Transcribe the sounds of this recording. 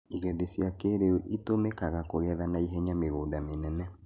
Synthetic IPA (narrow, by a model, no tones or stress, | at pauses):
iɣɛðesijakeɾeoʔitomekaɣakoɣɛðanaiɦɛɲameɣoːdamenɛnɛ